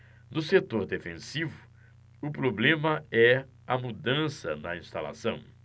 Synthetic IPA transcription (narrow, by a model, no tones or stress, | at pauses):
nʊset̪oɾd̪efẽsivʊ̥ | ʊpɾoblẽmɐɛ | ɐmud̪ɐ̃sɐnɐĩst̪ala̰sɐ̃w̃